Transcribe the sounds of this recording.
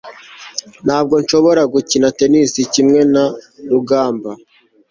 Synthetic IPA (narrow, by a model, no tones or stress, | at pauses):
n̥haːb̚ɡo̞nʃo̞βo̞ɾaɡucinate̞nisicimŋe̞naɾuɡaːmba